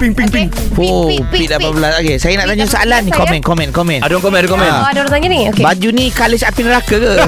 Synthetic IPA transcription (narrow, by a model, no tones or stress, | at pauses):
piŋpiŋpiŋ | poʔ | pidapabəlasaɡesajanaʔt̪aɲasaa̰lanikonmɛ̃nkomɛ̃nkomɛ̃naduwaŋkomɛ̃nadukomɛ̃nadlat̪aɲaniokbad͡ʒunikaləsapinəɾakəkə